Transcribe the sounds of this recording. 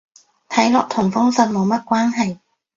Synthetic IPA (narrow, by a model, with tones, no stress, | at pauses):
t̪ʰɐ˨˥jlɔː˨k̚t̪ʰʊ˨˩ŋfʊ˥ŋsɐ˨˧n̚mo˨˧wmɐ˥t̚kʷaː˥nɦɐ˨j